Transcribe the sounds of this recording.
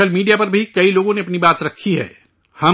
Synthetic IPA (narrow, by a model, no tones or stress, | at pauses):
əlmiːɖijapɐɾbʱikɐiloːɡõneɐpnibaːt̪ɾɐkʰːiɦɛ̰ː | hɐ